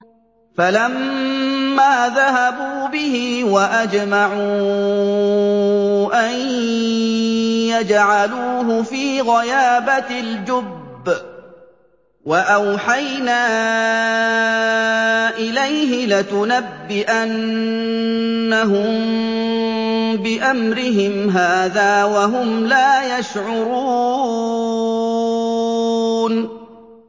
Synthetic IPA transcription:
falamː | aːðaɦabuːbɪɦɪwaʔad͡ʒmaʕuː | ʔaj | jad͡ʒʕaluːɦʊfiːɣajaːbald͡ʒʊbː | waʔawħajnaː | ʔɪlajɦɪlɪt̪ʊnabːɪʔan | aɦʊm | bɪʔamɾɪɦɪmɦaːðaːwaɦʊmlaːjaʃʕʊɾuː | n

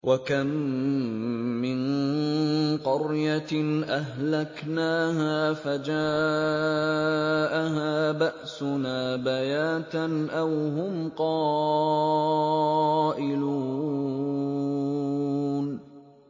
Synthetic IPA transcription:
wʔakam | ɪn | qɑɾjaʔaɦlaknaːɦaːfad͡ʒaː | ʔaɦaːbaʔsʊnaːbajaːt̪anʔawɦʊmqɑː | ʔɪluː | n

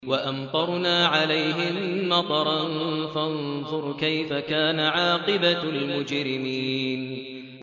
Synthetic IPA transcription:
waʔamt̪ˤɑɾˤnaːʕalajɦɪmːɑt̪ˤɑɾˤɑnfanðˤʊɾkajfakaːnaʕɑːqɪbalmʊd͡ʒɾɪmiːn

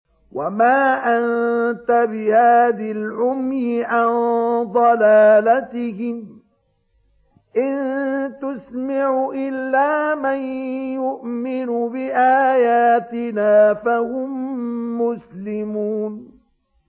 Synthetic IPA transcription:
wamaːʔant̪abɪhaːðalʕʊmjɪʕand̪ˤɑlaːlat̪ɪhɪm | ʔɪnt̪ʊsmaʕʊʔɪlːaːmanjʊʔmɪnʊbɪʔaːjaːt̪ɪnaːfahʊmːʊslɪmuːn

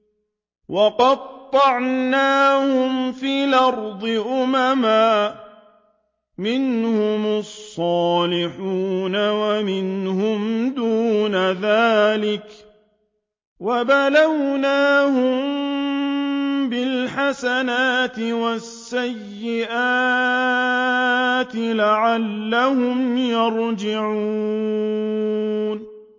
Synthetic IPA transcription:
wɑqɑdt̪ˤːɑʕnaːhʊmfiːlɑɾd̪ˤɨʔʊmamaː | mɪnhʊmɑsˤːɑːlɪħuːnawamɪnhʊmd̪uːnaðaːlɪk | wabalawnaːhʊm | bɪlħasanaːt̪ɪwasːajːɪʔaː | t̪ɪlaʕalːahʊmjɑɾd͡ʒɪʕuu | n

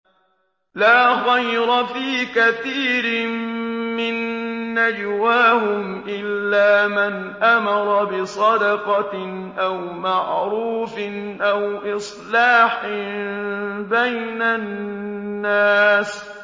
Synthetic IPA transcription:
laːxajɾɑfiːkaθiːɾɪ | mɪnːad͡ʒwaːhʊm | ʔɪlːaːman | ʔamɑɾˤɑbɪsˤɑd̪ɑqɑ | ʔawmaʕɾuːfnʔawʔɪsˤlɑːħɪ | bajnanː | aːs

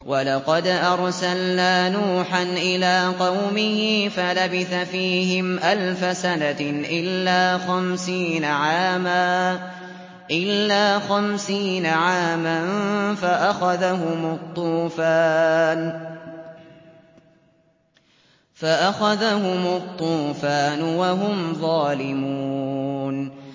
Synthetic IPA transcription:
wɑlɑqɑd̪ʔɑɾˤsalnaːnuːħanʔɪlaːqɑwmɪhɪfalabɪθafiːɦɪmʔalfasanaʔɪlːaːxamsiːnaʕaːmaː | ʔɪlːaːxamsiːnaʕaːmanfaʔaxaðahʊmɑt̪ˤːuːfaːn | faʔaxaðaɦʊmɑt̪ˤːuːfaːnʊwaɦʊmðˤɑːlɪmuuuːn

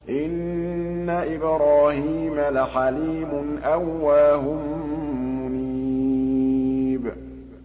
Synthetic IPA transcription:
ʔɪnː | aʔɪbɾaːhiːmalaħaliːmʊnʔawːaːɦʊmː | ʊni | b

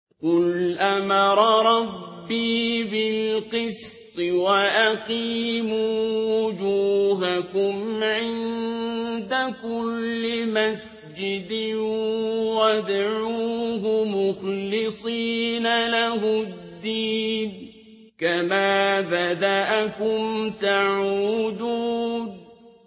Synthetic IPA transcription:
qʊlʔamɑɾˤɑɾˤɑbːiːbɪlqɨst̪ˤɨwaʔaqiːmuːwʊd͡ʒuːɦakʊmʕɪn | d̪akʊlːɪmas | d͡ʒɪd̪ɪ | wad̪ʕuːɦʊmʊxlɨsˤiːnalaɦʊdd̪ːiːn | kamaːbad̪aʔakʊmt̪aʕuːd̪uːn

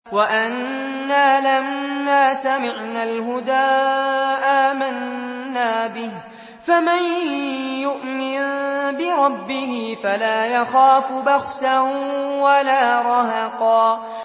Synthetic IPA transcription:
waʔanː | aːlamːaːsamɪʕnaːlɦʊd̪aːʔaːmanːaːbɪh | famanjʊʔmɪnbɪɾˤɑbːɪhɪfalaːjaxaːfʊbaxsanwalaːɾˤɑɦɑqɑː

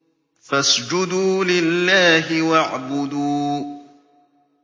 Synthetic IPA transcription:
fasd͡ʒʊd̪uːlɪlːaːɦɪwaʕbʊd̪uː

